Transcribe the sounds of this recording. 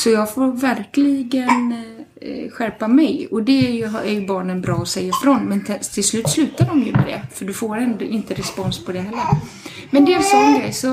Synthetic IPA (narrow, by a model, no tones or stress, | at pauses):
sɔjɑːɡfoːɾvæɾklɪɡən | ɧæɾpamɛjɔd̪ɛæɾjɵɦæjbɑːɳənbɾɑːɔsɛjːafɾɔnmɛnt̪ʰɪlslʉ̟ːt̪slʉ̟ːt̪aɖɔmjɵ̰mɛ̰d̪ɛ̰fœɖɵfoːɾɛnd̪ɔɪnt̪əɾɛspɔnspʰɔd̪ɛɦɛlːəɾ | mɛnd̪ɛsɔnːanɡɾɛ̰jsɔ